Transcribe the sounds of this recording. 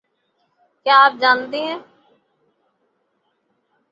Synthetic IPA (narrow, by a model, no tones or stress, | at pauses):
kjaːaːp̚d͡ʒaːnd̪eːɦɛ̃ː